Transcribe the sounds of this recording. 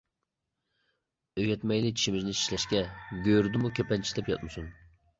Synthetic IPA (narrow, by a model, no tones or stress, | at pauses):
øɡʲɛt̪mɛjlɪt͡ʃʰi̥ʃimɪznɪʃi̥ʃlɛʃkʲɛɡʲøɾd̪ɪmukʲʰøpʰɛnt͡ʃʰi̥d̪ɛpjɑ̰t̪mɨsun